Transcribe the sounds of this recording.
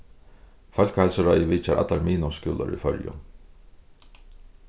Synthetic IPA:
fœlkhalsəɾajəʋiːt͡ʃaɾa̰t̪laɾmiːnɔskuːla̰ɾḭfœɾjʊ̰n

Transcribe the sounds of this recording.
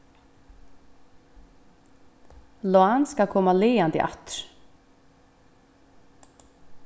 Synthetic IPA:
lɔanskakʰɔmaleːand̪ḭʔa̰t̪ɾ

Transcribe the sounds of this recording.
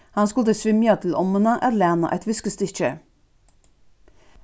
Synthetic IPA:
hɑnskʉlt̪əsʋʏmjɑt̪ʰl̩ɔmənəʔæɾlæːnɑ̰ʔæ̰ɪt̪ʋʏskəst̪əɪçə

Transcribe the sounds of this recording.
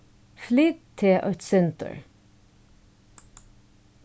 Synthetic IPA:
flid̪t̪ʰɪʔɑt̪sɛnt̪ə̰ɹ

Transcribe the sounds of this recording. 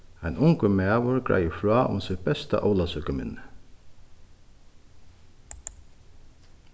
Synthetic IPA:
ajnʊŋkəmæːʋʊɹkɹa̰jəfɹɔːʔʊ̰nsɪbɛst̪a̰ʔowlasʏkəmɪ̰nːɪ

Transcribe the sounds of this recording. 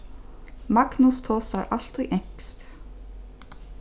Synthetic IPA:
maknust̪ʰɔːsaɾʔa̰l̥t̪ujʔɛɲ̥kst̪

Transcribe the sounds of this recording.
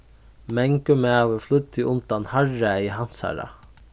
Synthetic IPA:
mɛŋkəmɛaʋəflʏt̪ʰːɪʊnt̪anhaɹaiɦansa̰ɹa̰

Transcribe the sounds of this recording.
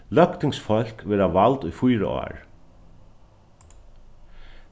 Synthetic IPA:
lœkt̪ɪŋsfɔl̥ʲkʋɛːɾaʋalt̪ujfujɾə̰ʔɔ̰ːɹ

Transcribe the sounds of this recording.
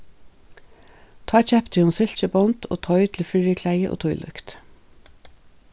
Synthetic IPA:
t̪ʰɑːt͡ʃɛpt̪ʰyːʊnsʏlc͡çəbɔnt̪ʰo̰ːt̪ʰɔʏt̪ʰl̩fʏɹəkʰlæɪəʔo̰ːt̪ʰɔʏlʔʉ̰kt̪

